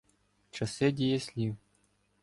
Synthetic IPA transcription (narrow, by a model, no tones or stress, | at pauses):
t͡ʃɐsɪdʲijɛsʲlʲiw